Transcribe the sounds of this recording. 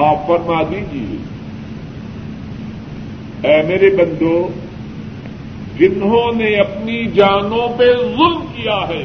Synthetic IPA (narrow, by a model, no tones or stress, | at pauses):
aːfɐɾmaːd̪id͡ʒiḛ | ɛːmeːɾebɐ̃nd̪o | d͡ʒɪnɦõneɐpnid͡ʒaːnõpezʊlmkijaɦɛː